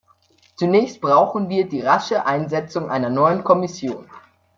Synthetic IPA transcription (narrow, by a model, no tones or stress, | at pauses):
t͡sunɛːçst̚b̥ʁaʊxn̩viːɐdiːʁaʃəʔaɪnzɛt͡sʊŋʔaɪnɐnɔʏənkʰɔmɪsjoːn